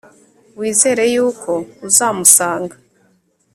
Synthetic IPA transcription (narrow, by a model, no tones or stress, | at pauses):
wiːze̞ːɾe̞juːkʰo̞uzaːmusaːŋɡa